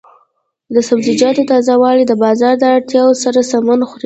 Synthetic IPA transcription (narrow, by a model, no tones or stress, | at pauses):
d̪əsabzɪd͡ʒɑt̪ot̪ɑzawɑlid̪əbɑzɑɾd̪əaɽt̪jɑwosaɾasamanxuɾ